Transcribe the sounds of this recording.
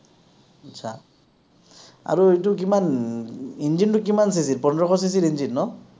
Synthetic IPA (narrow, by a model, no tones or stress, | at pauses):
atsʰa | a̰ɹuetuk̬iman | ind͡ʒintuk̬imans̬is̬ilpɔndɹɔkʰɔs̬is̬iɾind͡ʒinːɔ